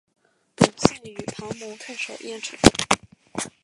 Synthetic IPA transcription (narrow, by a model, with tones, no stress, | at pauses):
pu˨˩t͡s̩˥˩y˨˩pʰɑ˧˥ŋmu˧˥ŋt̪ʰa˥˩ʂo˨˩ʊjɛ˥˩nʈ͡ʂʰɤ˨˧˩ŋ